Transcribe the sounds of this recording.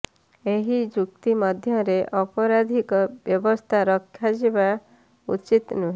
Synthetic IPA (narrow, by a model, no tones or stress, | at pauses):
eɦid͡ʒuk̚t̪imɔd̪ʱjɔɾeʔɔpɔɾad̪ʱikɔbjɔbɔst̪ʰaɾɔkʰːjad͡ʒiba | ṵt͡ʃit̪nuɦ